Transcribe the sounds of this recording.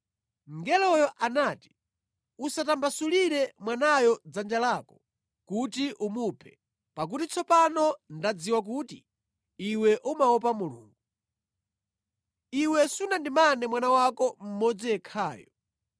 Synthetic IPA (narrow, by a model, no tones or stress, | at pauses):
ŋɡɛlɔjɔʔanaːti̥ | usatambasuliɾɛmwanajɔd͡zand͡ʒalaːkɔ̥ | kutiʔumupʰɛ | pak̬utit͡sʰɔpanɔndad͡ziwak̬uti | iwɛʔumaɔp̬amulṵːŋɡuu | iwɛsunandimanɛmwanawakɔm̩mɔd͡zijɛkʰaːjɔ